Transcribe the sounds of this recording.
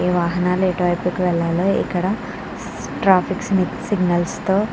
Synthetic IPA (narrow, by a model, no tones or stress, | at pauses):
eːʋaːɦɐnaːleːʈaːpikʋɛɭːaːloːḭkːɐɽɐ | ʈɾaːpʰiksniksiɡnɐlst̪oː